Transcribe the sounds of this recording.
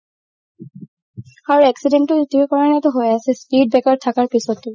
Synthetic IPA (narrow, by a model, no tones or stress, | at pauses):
aɹuɛksidentːʊitiekɔɹanɛtʊɦojasɛspid̚bɛkaɹtʰakaɹpisɔtːu